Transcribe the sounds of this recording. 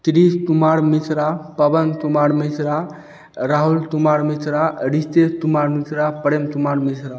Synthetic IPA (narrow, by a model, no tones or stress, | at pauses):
t̪ɾist̪umaɾmisɾapəbənt̪umaɾmisɾa | ɾaɦult̪umaɾmisɾaɾist̪est̪umaɾmisɾapəɾemt̪umaɾmisɾa